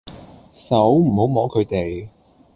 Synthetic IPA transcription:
sɐ˨˥wm̩˨˩ho˨˥wmɔː˨˥kʰɵ˨˧t̪e˨˩j

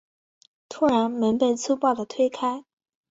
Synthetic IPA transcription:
t̪ʰu˥ɻa˧˥nmə˧˥npə˥˧nt͡sʰu˥pɑ˥˩ʊd̪ə˩t̪ʰwe˥ɪkʰa˥ɪ

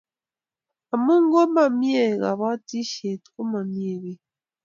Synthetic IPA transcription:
a˨mu˦ŋ˦ɡo˦ma˨mje˦˨ɣa̰˨βa˦ti˦ʃe˨to˦ma˨mje˦˨ɣe˦

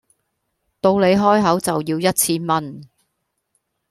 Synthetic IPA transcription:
t̪o˧wle˨˧jɦɔː˥jɦɐ˨˥wt͡sɐ˨wjiː˧wjɐ˥t̚t͡sʰiː˥mɐ˥n

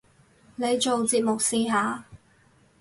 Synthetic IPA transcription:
ne˨˧jt͡ʃo˨wt͡siː˨p̚mʊ˨k̚siː˨ɦaː˨˧

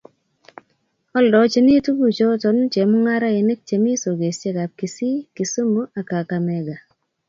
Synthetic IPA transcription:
ɔ˦ldɔ˨˦t͡ʃe˦ni˦tu˦bu˨t͡ʃo˦tɔ˨n˦t͡ʃe˨mu˦ŋa˦ɾa˦e˨ne˦k̚t͡ʃe˨mi˦so˨ɡe˨st͡ʃe˦ka˨p̚ki˨si˦ki˨so˦mo˦a˨ka˨ka˨mɛ˨ɡa˨

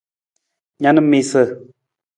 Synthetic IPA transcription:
ɲa˨nə˦me˨sə˨

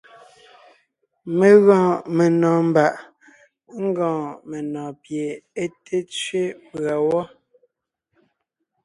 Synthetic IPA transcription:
me˨ɣɔ̃ː˨me˨nɔ̃ː˨m˨ba˨ʔ | ŋ̩˦ɡɔ̃ː˨me˨nɔ̃ː˨pje˨e˦tʰe˦t͡sɥe˦pɰa˨wɔ˦

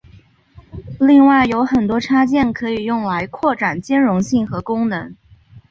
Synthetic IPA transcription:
li˥˧ŋwa˥˩ɪjo˧˥ʊxə˨˩nt̪wɔ˥ʈ͡ʂʰa˥t͡ɕjɛ˥˩nkʰɤ˧˥i˨˩jʊ˥˩ŋla˧˥ɪkʰwɔ˥˩ʈ͡ʂa˨˩nt͡ɕjɛ˥nɻʊ˧˥ŋɕi˥˩ŋxɤ˧˥kʊ˥ŋnɤ˧˥ŋ

